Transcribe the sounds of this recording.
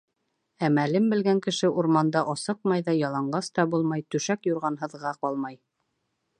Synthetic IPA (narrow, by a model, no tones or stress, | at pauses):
æmælɘmbɘ̆lɡæŋkɘ̆ʃɘʔuɾmɑnd̪ɑʔɑsɤq̚mɑjðɑjɑlˠɑɴɢɑst̪ɑbulˠmɑjt̪ɵ̆ʃækjuɾʁɑnɦɤ̆ðʁɑqɑlˠmɑj